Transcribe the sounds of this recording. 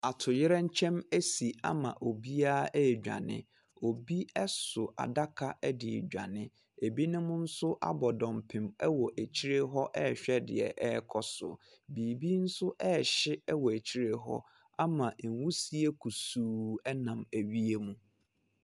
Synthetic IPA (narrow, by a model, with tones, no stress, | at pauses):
a˨tʰʊ˨jɪ˦ɾɛ˦ɲ̩˦t͡ɕʰɛ̃˦mæ˦si˨a̰˦mã̰˨ʔo˨bi˦aː˦ɛ˦˨d͡ʑᶣa̰˨nɪ̰̃˦ | o˨bi˦ɛ˦sʊ˨a̰˨da˦kʰa˦˨ʔɛ˦dɪ̰˨d͡ʑᶣa̰˨nɪ̃˦ | e˨bi˦nʊ̃˦mʊ̃˦n̩˦sʊ˦ʔa̰˦bɔ˨dɔ̃˨mpʰɪ̃˨mɛ˦wɔ˨ʔæ˨t͡ɕʰi˦ɾe˦ɦɔ˦ʔɛ˦˨ɕᶣɛ˦dɪ̰˨ɛ̰˨ʔɛ˦˨kʰɔ˨sʊ̰˨ | biː˨bi˦n̩˦sʊ˦ʔɛ˦˨ɕɪ˦ɛ˦wɔ˨æ˨t͡ɕʰi˦ɾe˦ɦɔ̰˦ | a˦mã˨n̩˨wu˦si˨e˦kʰu˨suː˨ɛ˦nã˨mæ˨ɥi˦e˦mũ˦